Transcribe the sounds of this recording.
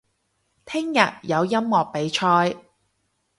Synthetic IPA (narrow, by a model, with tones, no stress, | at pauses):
t̪ʰɪ˥ŋjɐ̰˨t̚jɐ˨˧wjɐ˥mːɔː˨k̚pe˨˧jt͡ʃʰɔː˧j